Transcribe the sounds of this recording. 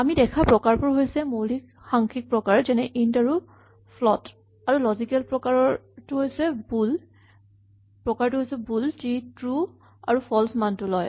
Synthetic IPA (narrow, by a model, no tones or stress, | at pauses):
amidɛkʰapɹɔkaɹpʊɹɦojsɛmolik | xaŋkʰik̚pɹɔkaɹzɛnɛʔintaɹu | pʰlɔt | aɹulɔzikɛlpɹɔkaɹɔtʊɦojsɛbul | pɹɔkaɹtʊɦojsɛbultitɹu | a̰ɹupʰɔlsmantʊlɔj